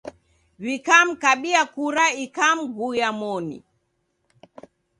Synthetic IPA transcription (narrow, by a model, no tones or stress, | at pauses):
βikam̩kaɓiakuɾaikam̩ɡujamɔnḭ